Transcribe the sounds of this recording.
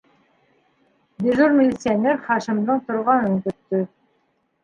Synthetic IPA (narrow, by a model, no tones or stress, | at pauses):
bʲiʒuɾmʲɪlʲit̪sɨjanʲeɾχɑʃĭmd̪ɤɴt̪ŏɾʁɑnɤŋkɵ̆t̪ːɵ